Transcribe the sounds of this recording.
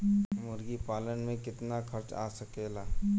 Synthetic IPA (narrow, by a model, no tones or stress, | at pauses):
mʊɾɡipaːlənmẽkɪt̪nakʰɐɾt͡ʃa̰ːsɐkeːlaː